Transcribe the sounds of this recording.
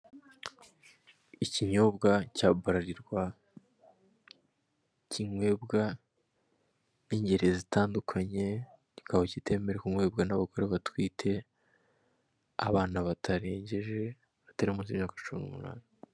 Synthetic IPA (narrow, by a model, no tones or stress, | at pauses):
iciɲo̞bɡacaːbaɾaɾiɾɡwa | ciŋwe̞bɡa | niɲɟe̞ɾe̞zitaːndukʰaɲe̞ | ikaβocitʰe̞ːme̞ɾekuŋwe̞ːbɡanaβako̞ɾeβatwiːtʰe̞ | a̰βaːnaβatʰaɾe̞ːɲɟeʒe | βataɾiumuːnsimɲaːkat͡ʃumḭnumṵna̰ːni